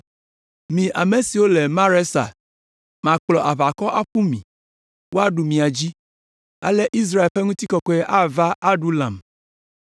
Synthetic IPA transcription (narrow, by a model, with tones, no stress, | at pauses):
mĩ˨ʔa˨me˨si˨wo˦le˨mã˦ɾe˦sa̰˨ | mã˨k͡plɔ˨ʔa˨βa˨kɔ˦ʔa˦ɸu˦mḭ̃˨ | wo˦a˦ɖu˨mĩ˨a˨d͡ʑi˦ | a̰˦lɛ˦ʔi˦s̬ɾa˦e˨lɸe˦ŋũ˦t̪i˦kɔ˨kɔ˦ɛ˦ʔa˦va˦ʔa˦ɖu˦lã̰˨m